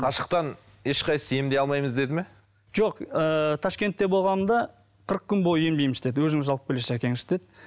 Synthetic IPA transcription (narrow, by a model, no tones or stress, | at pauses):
qʰɑʃəq̚t̪ɑn | e̞ʃqɑjsəejemd̪e̞ɑlˠmɑjməzd̪e̞d̪ɪme̞ | ʒ̥oqət̪ʰɑʃkʲe̞nt̪ːebo̞lˠʁɑnəmd̪ɑ | qʰəɾəq̚kʲʏnbo̞jəje̞mbejmʃɪ̥t̪e̞d̪wɵzɪmɪzʒɑlˠpəpbʲɪleʃækʲe̞ŋɪʃɪ̥t̪e̞d̪